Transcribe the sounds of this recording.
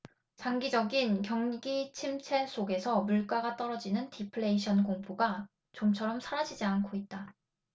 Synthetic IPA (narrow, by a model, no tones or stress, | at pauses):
t͡ɕaŋɡid͡ʑʌɡinkjʌŋɡit͡ɕʰimt͡ɕʰe̞ɭs͈ʰoɡe̞sʰʌmuɭk͈aɡat͈ʌɾʌd͡ʑinɯntʰipʰɯɭe̞iɕʰʌnkoŋpʰuɡa | t͡ɕomt͡ɕʰʌɾʌmsʰaɾad͡ʑid͡ʑiankʰoit̚t͈a